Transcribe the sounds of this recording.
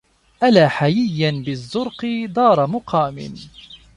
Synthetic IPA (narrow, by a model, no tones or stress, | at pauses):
ʔalaːħajɪjːanbɪzːʊɾqɨd̪ɑːɾˤɑmʊqʰɑːmɪ̰n